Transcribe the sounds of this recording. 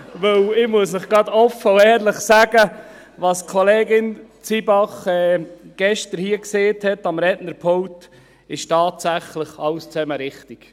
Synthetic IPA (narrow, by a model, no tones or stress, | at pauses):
ʋɵwɪmuəsnɪχɡ̥ɑd̪ɔfəʊɛːɾləχsæɡ̥ə | ʋɑːskʰɔleːɡɪnt͡sibɑχɛːɡ̥ɛʃtəɾhiəkseːthɛtɑmɾɛdnəɾpʰɔŋt | ɪʃtɑːtsæχləχɑlst͡sɛməɾɪχt̪ik